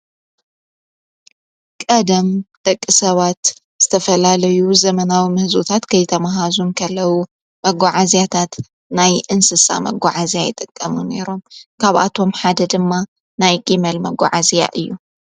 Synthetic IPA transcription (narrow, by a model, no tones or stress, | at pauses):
kʼɐd̪ɐmt̪ʼɐkʼːɨsɐβat̪ | z̥ɨt̪ʰɐfɐlalɐjuzɐmɐnawimɨhɨzut̪ʰat̪kʰɐjt̪ʰɐmaɦazunkʰɐlːɐwu | mɐɡaʕazjat̪ʰat̪ | najʔɨnsɨsa̰mɐ̰ɡʷːaʕazjajɪt̪ʼɨkʼːɐmune̞ɾo̞mkʰaβʔa̰t̪ʰo̞mħad̪ɐd̪ɨmːa | najɡʼimɐlmɐɡa̰ʕazija̰ʔɨjːu